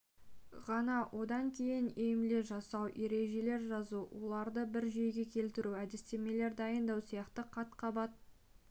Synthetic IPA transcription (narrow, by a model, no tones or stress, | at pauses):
ʁɑnɑwʔo̞d̪ɑŋkʲʰe̞jɪnejɪmle̞ʒɑsɑwʔe̞ɾe̞ʒe̞le̞ɾʒɑzuwo̞lˠɑɾd̪əbɪɾʒejɡʲe̞kʲʰe̞lt̪ɪɾuæd̪ɪst̪e̞me̞le̞ɾd̪ɑjənd̪ɑwsijɑqt̪əqʰɑt̪qʰɑbɑt̪̚